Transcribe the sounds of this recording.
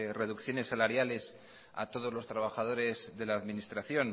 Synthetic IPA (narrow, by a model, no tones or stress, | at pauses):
re̞ðukθjo̞ne̞sːalaɾjale̞s | a̰t̪o̞ð̞o̞zlo̞st̪ɾaβaxaðo̞ɾe̞zðe̞laːðminist̪ɾaθjo̞n